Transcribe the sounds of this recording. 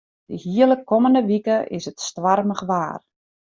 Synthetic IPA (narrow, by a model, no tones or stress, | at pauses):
d̥əhiələkːɔməndəʋikəʔɪ̰sətstʋarməχʋaːr